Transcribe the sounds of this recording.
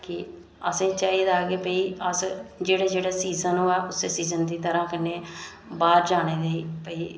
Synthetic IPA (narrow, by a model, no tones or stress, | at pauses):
kɪ | əsẽːt͡ʃaːiːd̪aːkeːpəiːəsd͡ʒeːɽeːd͡ʒeːɽaːsiːzənoːɛːʊseːsiːzənd̪iːt̪əɾãːkəneː | baːɾd͡ʒaːɽ̃eːd̪eiːpəiː